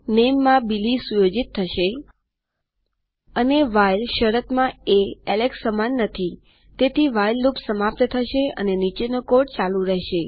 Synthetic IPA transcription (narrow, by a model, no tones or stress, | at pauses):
nemːãbilisujod͡ʒit̪ʰːəʃe | əneʋajlʃəɾət̪mãeɛleksəmanːət̪ʰi | t̪et̪ʰiʋajlːupsəmap̚t̪ət̪ʰəʃeə̰nenit͡ʃenəkoʈt͡ʃalũɾɛɦʃe